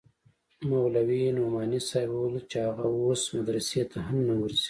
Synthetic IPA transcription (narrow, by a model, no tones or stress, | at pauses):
mawlawinomɑːnisajwult͡ʃaɣaosmad̪ɾɐset̪ʰaɦamnawəɾzi̥